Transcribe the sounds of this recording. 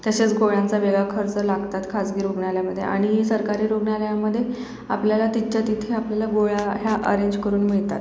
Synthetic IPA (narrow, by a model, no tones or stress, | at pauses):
t̪əset͡sɡoɭjãnt͡saʋeɡakʰəɾt͡səlaɡt̪at̪kʰad͡zɡiːɾoɡɳjaljaməd̪ʱːjḛʔa̰ɽ̃iɦisəɾkaɾiːɾoɡɳjaljaməd̪ʱːje | a̰pljalat̪it̪ːt͡ɕat̪it̪ʰeapljalaɡoɭaɦjaʔə̰ɾẽɲd͡ʑkəɾuːnmiɭt̪at̪